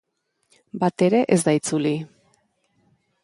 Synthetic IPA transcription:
bat̪e̞ɾe̞ʔe̞zd̪ait͡suli

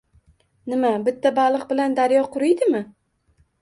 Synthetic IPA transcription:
nɪmabɪt̪ʰːabalˠɨq̚bɪland̪aɾjɒqʰʊɾɪjd̪ɪmɪ

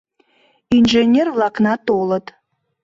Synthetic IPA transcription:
inʒenʲervlˠɑknɑt̪olˠət̪

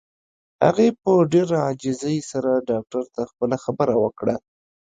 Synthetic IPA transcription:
ha̰ɣepəɖeɾaad͡ʒɪzəjsaɾaɖɑk̚ʈaɾt̪axpəlaxabəɾawəkɽa

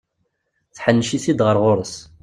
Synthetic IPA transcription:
θħənːʃiθid̪ʁəɾʁʊɾˤəs

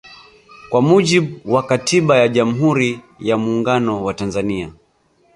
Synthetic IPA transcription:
kwamuʄiɓuwakatʰiɓajaʄam̩ɦuɾi | jamuːŋɡanɔwatanzania̰

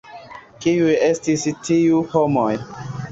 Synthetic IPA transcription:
kijujestistiuhomoj

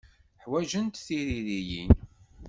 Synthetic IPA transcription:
ħwæʒənt̪θiɾiɾijin

